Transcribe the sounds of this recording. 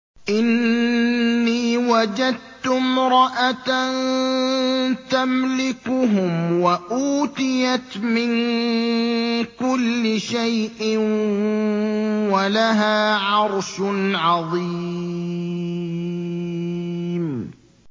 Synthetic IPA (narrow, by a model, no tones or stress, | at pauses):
ʔɪnː | iːwad͡ʒad̪̚t̪ʊmɾˤɑʔat̪an | t̪amlɪkʊɦʊmwaʔuːt̪ɪjat̪mɪn | kʊlːɪʃajʔɪn | walaɦaːʕɑɾˤʃnʕɑðˤiː | m